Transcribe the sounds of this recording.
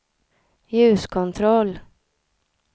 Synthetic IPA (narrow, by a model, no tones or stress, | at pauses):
jʉ̟ːskʰɔnt̪ʰɾɔlː